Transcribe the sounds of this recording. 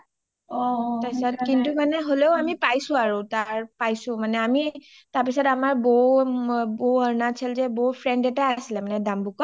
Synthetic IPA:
ɔtasɔtkintumanɛɦoleʊamipajsʊ̃aɹotaɹpajsʊ̃manɛami | taɹpisɔdamaɹbɔ | bɔəɹnat͡ʃʰilzɛbɔɦupʰɹɛɳdɛtaasilɛmanɛdambukɔ

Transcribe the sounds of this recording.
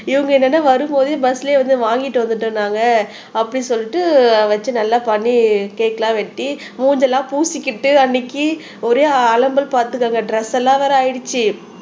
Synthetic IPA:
ɪʋɐŋɡɐɛnːɛnːaːʋɐɾɯmpoːðij̃bɐsɪleːʋɐnd̪ɯʋaːŋɡɪʈːɯʋɐnd̪ɯʈːɯnːaːŋɡɐ | ɐpːɐɽisɔlːɪʈːɯʋɐt͡ʃːɯnɐlːaːpɐɳːikeːkːɐlãːʋɛʈːi | muːɲd͡ʒɛlːãːpuːsɪkːɪʈːɯɐnːɪkːi | ɔɾeːɐlɐmbɐlpaːɾt̪ɯkːaːŋɡɐɖɾɛsːɛlːãːʋɐːɾɐɐjɪɽɯt͡ʃːi

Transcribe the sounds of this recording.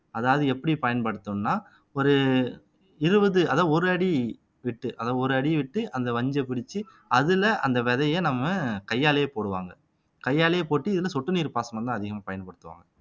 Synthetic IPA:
ɐðaːʋɐðɯɛpːɐɽipɐjɐnpɐɽɯt̪ːɯmnaː | ɔɾɯ | ɪɾɯbɐðɯɐðaːɔɾɯɐɽi | ʋɪʈːɯʔɐðaːɔɾɯɐɽiʋɪʈːɯʔɐnd̪ɐʋɐɲd͡ʒɐpɪɽɪt͡ʃːɯ | ɐðɪlɐʔɐnd̪ɐʋɛðɐjenɐmːɐkɐjːaːlɐjepoːɽɯʋa̰ːŋɡɐ | kɐjːaːlɐjepoːʈːɯɪðɪlɐsɔʈːɯniːɾɯpaːsɐmɐnt̪ãːɐðɪɣɐmaːpɐjɐnpɐɽɯt̪ːɯʋa̰ːŋɡɐ

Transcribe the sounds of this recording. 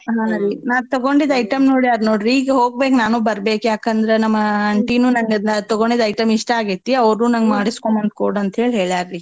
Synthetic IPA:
ɦãːɾinaːɡ̚t̪ɐɡoɳɖid̪ɐjʈɐmnoːɽijaːɾnoːɽɾiɡɦoːɡ̚beːknaːnuːbɐɾbeːkjaːkɐnd̪ɐɾenɐmːɐɐɳʈinuːnɐŋɡɐt̪ɐɡoɳɖid̪ɐjʈɐmiʂʈɐaːɡit̪ːiɐʋɐɾuːnɐŋɡmaːɽiskomɐnt̪̚koɽɐnt̪ɦe̞ːɭiɦe̞ːɭjaːɾɾi

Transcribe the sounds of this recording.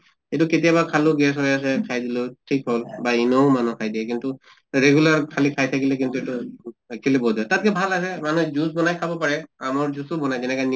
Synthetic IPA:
etʊketijabakʰalʊɡɛs̬ɦojas̬ɛkʰajdilotʰikɦolbainomanukʰajdiɛkintu | ɹeɡulaɹkʰalikʰajtʰakilɛk̬intuetʊkʰilɛbɔdiɦɔtat̚kɛbʱalas̬ɛmanuzusbɔnajkʰabɔpaɹɛamɔɹzusʊbɔnajzɛnɛkajn

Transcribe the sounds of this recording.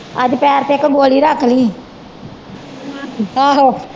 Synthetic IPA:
əd͡ʒpɛːɾt̪eːɪkːɡoːliːɾakʰliː | aɦo

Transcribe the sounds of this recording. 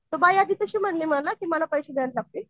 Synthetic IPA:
t̪obajad̪iːt̪əɕiːm̤əɳliːm̤əɽlakiːməlapəjɕeːd̪eʋət̪laɡ̚t̪e

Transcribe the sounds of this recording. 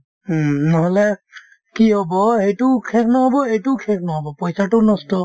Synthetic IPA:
nɔɦɔlɛ | kiɦɔbɔhejtʊkʰɛknɔɦɔbɔejtʊkʰɛk̚nɔɦɔbɔpɔjsatʊnɔstɔ

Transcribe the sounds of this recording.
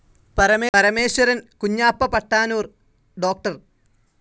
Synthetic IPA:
pɐɾɐmeɐɾɐmeːɕwɐɾɐnkuɲːaːpːɐpɐʈːaːnuːr | ɖo̞ːk̚ʈɐr

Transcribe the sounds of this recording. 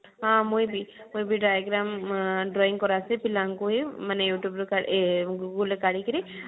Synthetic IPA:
ɦãmoibʱimoibʱiɖaːjaɡɾaːmɖɾɔːĩŋkɔɾasepɪlaŋkuɦimanejuːʈjubɾkaɡuɡulekaɽikəɾi

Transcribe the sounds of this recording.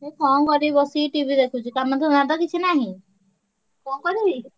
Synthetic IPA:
ekɔŋkɔɾibɔsiʈibʱid̪ekʰut͡ʃʰikamad̪ʱɔnad̪ɔkit͡ʃʰinaɦĩ | kɔŋkɔɾi

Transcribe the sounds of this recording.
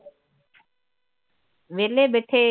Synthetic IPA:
ʋeːleːbeːʈʰeː

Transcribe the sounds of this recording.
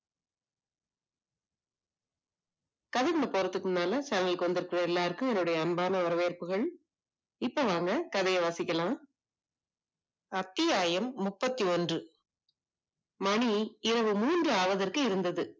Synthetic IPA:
kɐðɐkɐɳɐpɔɾɐt̪ːɯkːɯmnaːlɐsɐŋɡɐlkɔnd̪ɪɾɯkɯrɐɛlːaːɾɯkːɯmɛnːɯɽɐjɐːnbaːnɐʋɐɾɐʋeːɾpɯɣɐɭ | ɪpːoːʋaːŋɡɐkɐðɐjɐʋaːsɪkʲːɐlãː | ɐt̪ːɪjaːjɐmːʊpːɐt̪ːiɔndrɯ | mɐɳiɪɾɐʋɯmuːndrɯaːʋɐðɐrkɯɪɾɯnd̪ɐðɯ

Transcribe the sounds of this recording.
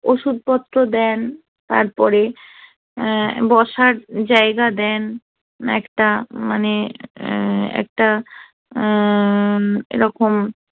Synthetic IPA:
oʃud̪̚pɔt̪ːɾod̪ɛn | t̪a̰ɾpɔɾe | bɔʃaɾd͡ʑaeɡad̪ɛn | ɛ̰kʈamane | ɛ̰k̚ʈa | ḛɾɔkom

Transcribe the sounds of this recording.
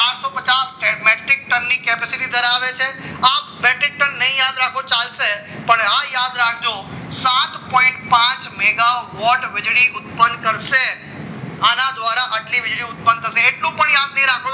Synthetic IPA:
t͡ʃaːɾsopɐt͡ʃaːsʈɛʈmeʈɪk̚ʈənːikeːpesɪʈid̪əɾaːʋet͡ʃʰeaːp̚ʋɛːʈɾɪk̚ʈənːɐɦĩjaːd̪ɾaːkʰot͡ʃaːlse | pəɳãːjaːd̪ɾaːkʰd͡ʒo | sãːt̪pɔ̃ːɪ̃ɳʈpãːt͡ʃmeːɡaʋɔːʈʋɪd͡ʒɽiʊt̪̚pənkəɾse | aːnãd̪ʋaːɾaʔɐʈliʋɪd͡ʒɽiʊt̪̚pənt̪ʰəsẽeːʈlũpəɳiaːp̚nĩɾaːkʰ

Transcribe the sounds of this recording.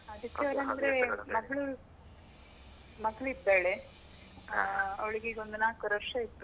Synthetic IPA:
ɐd̪ukːeɐlɐnd̪ɾemɐɡɐɭu | mɐɡɭuit̪ːaːɭe | ɐ̰ʋɐɭiɡeiɡond̪unaːkuɾɐɾʂɐit̪ːu

